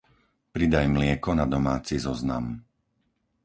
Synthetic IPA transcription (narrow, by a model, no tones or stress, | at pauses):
pɾid̪ajmlɪɛkɔnad̪ɔmaːt͡sizɔzna̰m